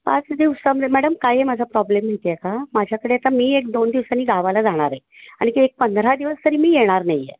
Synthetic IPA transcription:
pat͡sd̪iʋsamemæɽəmkajemad͡zʱapɾɔblemet̪jekamad͡ʑʱjakəɽeat̪amiːek̚d̪ond̪iʋsaniːɡaʋalad͡zaɽ̃aɾe | aɽ̃ikek̚pənd̪ɾad̪iʋəst̪əɾiːmiːjeɽ̃aɾnajːḛ

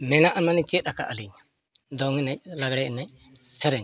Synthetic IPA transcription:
mɛnaʔamanit͡ʃɛt̪̚ɾaka̰ʔaliɲ | d̪ɔŋɛnɛc̚laɡɽɛɛnɛc̚ | sɛɾɛɲ

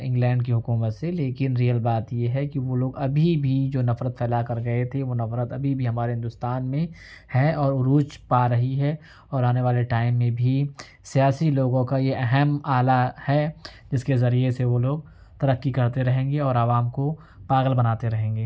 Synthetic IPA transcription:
ɪ̃ŋɡlɛ̃ːɳɖkiɦʊkuːmət̪seleːkɪnɾiːəlbaːt̪jeɦɛkiʋoloːɡɐbʱibʱid͡ʒoːnɐfɾət̪fɛːlakɐɾɡɐet̪ʰeʋonɐfɾət̪ɐbʱibʱiɦɐmaːɾeɦɪ̃nd̪ʊst̪aːnmẽhɛɔːɾʊɾuːt͡ʃpaːɾɐɦiɦɛ | ɔːɾaːneʋaːleʈaːɪmːẽbʱi | sijaːsiloːɡõkajeʔɛɦɛmaːlahɛd͡ʒɪskezɐɾieseʋoloːɡ̚ | t̪ɐɾɐkːikɐɾt̪eɾɐɦẽːŋɡeɔːɾaʋaːmko | paːɣəlbɐnaːt̪eɾɐɦẽːŋɡeː

